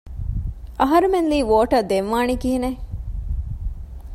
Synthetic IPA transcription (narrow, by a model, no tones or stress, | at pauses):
ʔɐɦɐɾumenliːʋoːʈɐd̪emʋaːɳikiɦine